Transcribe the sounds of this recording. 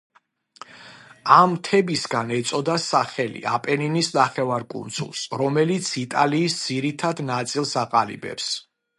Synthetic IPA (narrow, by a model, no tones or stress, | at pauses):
amt̪ʰɛbisɡanɛt̪sʼɔd̪asaχɛlḭapʼɛninisnaχɛvaɾkʼṵnt̪sʰʼṵlˠsɾɔmɛlit̪sʰit̪ʼaliːsd̪z̥iɾit̪ʰad̪nat̪sʼilˠsaqʼalḭbɛ̰ps